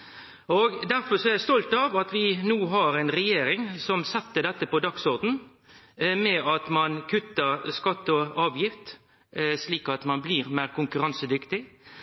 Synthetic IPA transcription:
ɔɡd̪æɾfɔɾsɔɛɾjæɪst̪ɔlt̪ɑʋɑt̪ʋɪnuːɦɑɾɛnɾɛjeːɾɪŋsɔmsɛt̪ːəd̪ɛt̪ːəpɔd̪ɑksɔɾd̪n̩ | mɛɑt̪mɑnkʰʉt̪ːəɾskɑt̪ːɔɑːʋjɪft̪ | sliːkɑt̪mɑnbliːɾmæːɾkʊŋkʉɾɑnsəd̪ʏkt̪ɪ

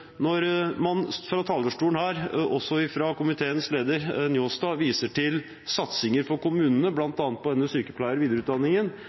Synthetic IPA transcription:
nɔɾmɑnfɾɑːt̪ʰɑːld̪əʂʈuːənhæːɾʔɔsɔɪfɾɑkʊmɪt̪ʰeːənsleːd̪əɾnjoːst̪ɑʋiːsəʈɪl | sɑt̪sɪŋəɾfɔɾkʊmʉːnənəblɑnt̪ɑːnt̪̚pʰɔdɛnːəsyːkəpʰlæɪəɾʋiːd̪əɾʉːt̪̚d̪ɑnːɪŋən

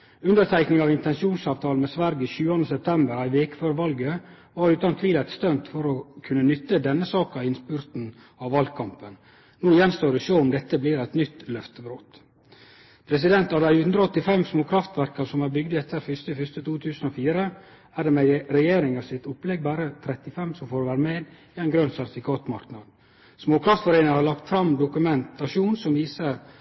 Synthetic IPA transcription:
ʉnd̪əɾt̪ʰæɪknɪŋɑʋɪnt̪ɛnsuːnsɑːʋt̪ʰɑːlnmɛsʋæɾɡəiçʉːɑnd̪əsɛp̚t̪ʰɛmbəɾɑɪʋeːkə̥føːɾʋɑlɡə | ʋɑɾʉːt̪ɑnt̪ʰʋiːlɛt̪st̪œnt̪fɔɾɔkʰʉnːənʏt̪ːəd̪ɛnːəsɑːkɑɪnspʉɾt̪n̩ | ɑʋʋɑlɡ̪̚kʰɑmpən | nuːjɛnst̪oːdɛsoːʊmd̪ɛt̪ːəblɪːɾæɪt̪nʏt̪lœft̪əbɾoːt̪ | pʰɾɛsɪd̪ɛnt̪ɑd̪æɪhʉnd̪ɾəɔt̪ːɪfɛmsmoːkʰɾɑft̪ʋæɾkɑsɔmæːɾbʏɡd̪əɛt̪ːəɾfʏst̪əfʏst̪ət̪ʰuːt̪ʰʉːsən̩ofiːɾə | æːɖɛmɛɾɛjeːɾɪŋɑʋsɪt̪ʊplɛɡ̚bæːɾət̪ʰɾɛt̪ɪfɛmsɔmfoːɾʋæːɾəmeːd̪ | ɪæɪnɡɾœnsæɾt̪ɪfɪkʰɑːt̪mɑɾknɑd̪ | smoːkʰɾɑft̪fɔɾeɪnɪhɑɾlɑkt̪fɾɑmd̪ʊkʉmɛnt̪ɑʃuːnsɔmʋiːsəɾ

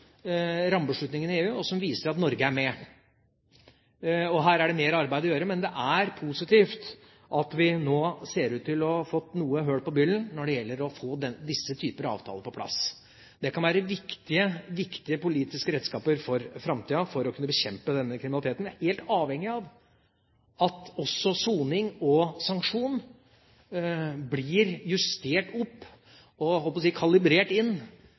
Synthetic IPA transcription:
ɾɑmbəʂɭʉt̪nɪŋənɪeːʉːɔsɔmʋiːsəɾɑt̪nɔɾɡəæɾmɛ | ɔɦæːɾæɖɛmeːɾɑɾbæɪd̪ɔjøːɾəmɛnd̪ɛʔæɾpʰusɪt̪ʰiːft̪ | ʔɑt̪ʋɪnoːseːɾʉːt̪ːɪlɔfɔt̪ːnuːəɦøːɽpɔbʏlːənnɔɖɛjɛlːəɾɔfoːd̪ɛd̪ɪsːət̪ʰyːpəɾɑɑ̰ːʋt̪ʰɑ̰ːləpʰɔpʰlɑ̰s | d̪ɛkɑnʋæːɾəʋɪkt̪ɪəʋɪkt̪ɪəpʊliːt̪ɪskəɾɛd̪skɑːpəɾfɔɾfɾɑmt̪ʰiːɑfɔɾɔkʰʉnːəbəçɛmpəd̪ɛnːəkʰɾɪmnlɪt̪ʰeːt̪n̩æɾheːlt̪ɑːʋhɛŋːɪɑʋ | ɑt̪ɔsːɔsuːnɪŋɔsɑŋkʂuːn | blɪːɾjʉst̪eːʈɔpː | ɔhɔlpɔsiːkʰɑlɪbɾeːʈɪnː

